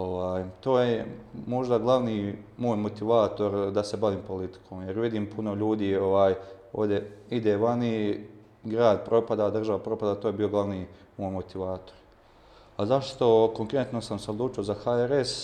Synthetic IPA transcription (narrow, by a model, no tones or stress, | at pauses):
oʋaːjt̪o̞ːjemo̞ʒd̪aɡlˠaʋniːmoːjmot̪iʋaːt̪o̞ɾd̪ase̞baʋiːmpo̞lit̪i̥kʰo̞ːmjeɾʋid̪iːmpʰuno̞ʎuːd̪iːo̞ʋaːj | oːvd̪je̞id̪eːʋani | ɡɾaːd̪̚pɾo̞pad̪ad̪r̩ʒaʋapɾo̞pad̪at̪oːjebiːo̞ɡlˠaʋniːmoːjmot̪iʋaːt̪o̞̥ɾ | azaʃtt̪o̞ko̞ŋkɾe̞t̪no̞samseod̪lˠuːt͡ʃio̞zaxaeɾes